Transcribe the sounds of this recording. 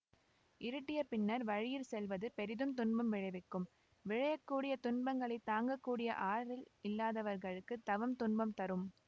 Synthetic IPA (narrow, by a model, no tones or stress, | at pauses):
ʔɪɾɯʈːɪjɐpɪɳːɐɾʋɐɻɪjɪlsɛlʋɐðɯpɛɾɪðɯnt̪ʊnbɐmʋɪɻɐɪʋɪkːɯm | ʋɪɻɐjɐkːuːɽɪjɐt̪ʊnbɐŋɡɐɭɐɪt̪aːŋɡɐkːuːɽɪjɐ̰ʔaːɾɪlɪlːaːðɐʋɐɾɣɐɭɯkːɯt̪ɐʋɐmt̪ʊɳbɐmt̪ɐɾɯm